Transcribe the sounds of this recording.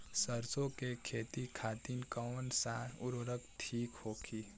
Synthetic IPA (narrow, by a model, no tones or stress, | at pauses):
səɾsõkekʰeːt̪ikʰaːt̪inkəːnsaːʊɾoɾək̚t̪ʰiːkhoːkʰiː